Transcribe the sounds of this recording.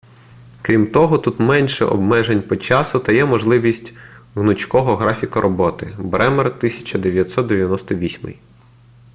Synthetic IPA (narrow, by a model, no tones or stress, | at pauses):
kɾʲimt̪ɔɦɔt̪ut̪mɛnʲʃɛ̰ʔɔ̰bmɛʒenʲpɔt͡ʃɑsʊt̪ɐjɛmɔʒlˠɪʋʲisʲtʲɦnʊt͡ʃkɔɦɔɦɾɑfʲikɐɾʔɔbɔt̪ɪbɾɛmɛrt̪ɪsʲɐ̥t͡ʃɐd̪eʋʲjɐt̪sɔt̪̚d̪eʋʲjɐnɔst̪ɔʋʲisʲmɪ̰j